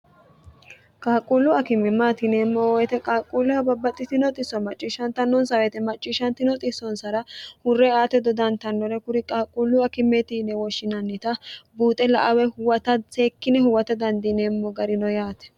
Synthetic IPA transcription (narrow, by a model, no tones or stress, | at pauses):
kʼaːkʼulːʊɐkɪmːɛmːaːt̪ɪneːmːɔwɔjɛt̪ɛkʼaːkʼːulʊhɐbɐbːɐt̪ʼːɪt̪ɪnɔt̪ʼɪsːɔmɐt͡ʃʼːiːʃɐnt̪ɐnːɔnsɐwɛt̪ɛmɐt͡ʃʼːiːʃɐnt̪ɪnɔt̪ʼɪsɔnsɐɾɐhʊrːɛaːt̪ɛd̪ɔd̪ɐnt̪ɐnːɔɾɛkʊɾɪkʼaːkʼːulːʊɐkɪmːɛt̪inɛwɔʃːɪnɐnːɪt̪ɐbuːt̪ʼɛlɐʔɐwɛhʊwɐt̪ɐseːkːɪnɛhʊwɐt̪ɛd̪ɐnd̪ineːmːɔɡɐɾɪnɔjaːt̪ɛ̥